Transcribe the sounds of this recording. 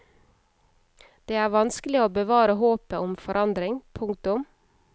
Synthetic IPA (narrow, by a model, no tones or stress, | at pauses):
d̪̥eːæːɾʋɑnskəlɪoːbəʋɑːɾəɦoːpəʔʊmfɔɾʔɑnd̪ɾɪŋpʰʊŋkt̪ʊm